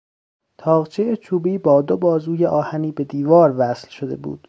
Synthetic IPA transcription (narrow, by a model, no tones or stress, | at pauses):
t̪ʰɒːɣt͡ʃʰeet͡ʃʰuːbiːbɒːd̪obɒːzuːjeʔɒːhæniːbe̞d̪iːvɒːɾvæːslʃod̪e̞̰bṵːd̪̥